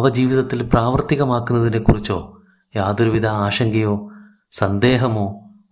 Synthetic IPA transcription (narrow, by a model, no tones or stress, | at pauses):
ʋɐd͡ʑiːʋiðɐt̪ːilpraːʋɐrt̪iɣɐmaːkːunːɐðinekurit͡ɕːo̞ː | jaːd̪ɾuʋid̪ɐaːɕɐŋɡɐjo̞ː | sɐnd̪e̞ːɦɐmo̞ː